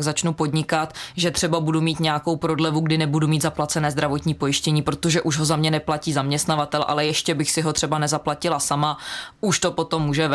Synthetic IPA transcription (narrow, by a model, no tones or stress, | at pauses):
ɡzat͡ʃnupo̞dɲɪkat̪ʒɛt̪r̥ɛbabudumiːt̪ɲɛjako̞wpɾo̞dlɛvuɡdɪnɛbudumiːt̪zaplat͡sɛnɛːzd̪ɾavo̞t̪ɲiːpo̞jɪʃcɛɲiːpɾo̞t̪o̞ʒɛʔuʒɦo̞zamɲɛnɛplaciːzamɲɛst̪navat̪ɛlʔa̰lɛjɛʃcɛbɪxsɪɦo̞t̪r̥ɛbanɛzaplacɪlasamauʃt̪opo̞t̪o̞mːuːʒɛv